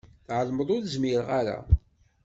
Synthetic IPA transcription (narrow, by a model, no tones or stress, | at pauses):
θʕəlməðˤʊɾzmiɾʁaɾa̰